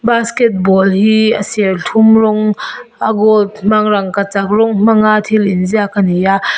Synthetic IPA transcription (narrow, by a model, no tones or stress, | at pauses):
baskɛt̚bɔlhiəsiartʰumrɔŋaɡɔlt̚m̥aŋɾaŋkat͡sak̚rɔŋm̥aŋat̪ʰilinziakanija